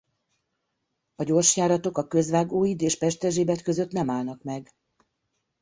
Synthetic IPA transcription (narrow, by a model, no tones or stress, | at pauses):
ɒɟo̞rʃjaːɾɒt̪o̞kɒkø̞zʋaːɡoːjid̪eːʃpɛʃt̪ɛʒeːbɛt̪køzø̞t̪nɛmaːlnɒkmɛɡ